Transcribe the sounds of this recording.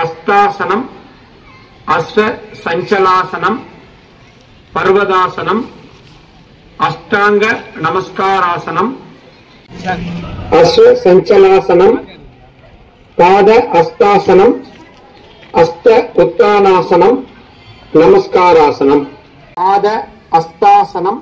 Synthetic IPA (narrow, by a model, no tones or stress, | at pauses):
ɐst̪aːsɐnɐm | ɐsʋɐsɐɲt͡ʃɐlaːsɐnɐm | pɐɾʋɐd̪aːsɐnɐm | ɐst̪aːŋɡɐnɐmɐskaːɾaːsɐnɐm | ɐsʋɐsɐɲt͡ʃɐlaːsɐnɐm | paːd̪ɐʔɐst̪aːsɐnɐm | ɐst̪ɐut̪ːaːnaːsɐnɐm | nɐmɐskaːɾaːsɐnɐm | paːd̪ɐ | ɐst̪aːsɐnɐm